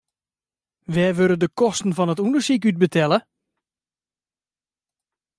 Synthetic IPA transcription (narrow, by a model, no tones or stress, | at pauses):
ʋɛːʋølədəkɔstən̩vɔnətundəɹsik̬yt̚bətʰɛlə